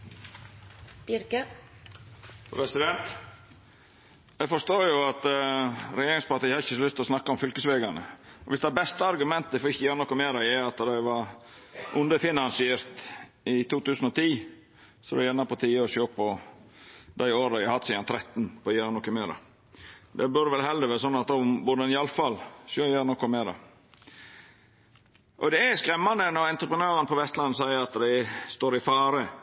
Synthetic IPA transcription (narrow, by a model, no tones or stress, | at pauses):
b̥ɪɾkə | pʰɾɛsɪd̪ɛnt̪ | ɛfɔʂt̪oːjʊɑt̪ | ɾɛjeːɾɪŋspɑɾt̪iːhɑɪçːəslʏst̪ɔsnɑkːɑɔmfʏlkəsʋeːɡɑɳə̰ɔʋɪsd̪ɛæbɛst̪əɑɾɡʉmɛnt̪əfɔɾɪçːəjæːɾnʊkʊmeːɾɑɛɑt̪ːd̪æɪʋɑɾ | ʔʊnd̪əfɪnɑnsɪeːɾt̪ | ɪt̪ʰuːt̪ʉːsn̩ɔt̪ʰiː | sɔd̪ɛjɛnːɑpɔt̪ʰiːəɔsjoːpɔ | d̪æɪoːɾɑɪhɑt̪ːsiːd̪ɑnt̪ʰɾɛt̪ːnpɔjæɾnɔkːəmeːɾɑ̰ | d̪ɛbœɾʋɛlhɛld̪əɾʋeːɾəsɔnːɑt̪̚d̪ɔbʊd̪əɛnɪɑlfɑlsjoːjæːɾənɔkːɔmeːɾɑ̰ | ʔɔd̪ɛæskɾɛmːɑnd̪ənɔɛnt̪ɾəpɾənøːɾənpʰɔʋɛst̪lɑnːsæɪəɾɑt̪d̪æɪst̪oːɾɪfɑːɾə